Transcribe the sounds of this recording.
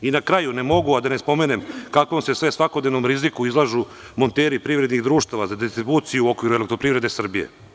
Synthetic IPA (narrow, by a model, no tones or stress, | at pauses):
inakɾaːjune̞mo̞ɡuad̪anespo̞mene̞mkakʋomsesʋe̞sʋako̞d̪ne̞ʋnomɾizikuizlˠaʒu | mo̞nt̪eːɾipɾiʋɾed̪niɣd̪ɾuːʃt̪aʋazad̪ist̪ɾibuːt̪sijuo̞kʋiɾuele̞k̚t̪ɾo̞pɾivɾe̞d̪e̞sr̩bijḛ